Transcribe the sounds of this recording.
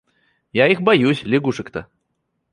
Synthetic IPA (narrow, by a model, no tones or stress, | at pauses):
jaixbajusʲlʲɪɡuʂɨkt̪ɐ